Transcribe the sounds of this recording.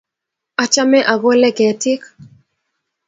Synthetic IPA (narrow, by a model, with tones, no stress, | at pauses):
a˨t͡ʃa˦mɛ˦ʔa˨ɡɔ˦lɛ˦kɛ˨tɪ˦k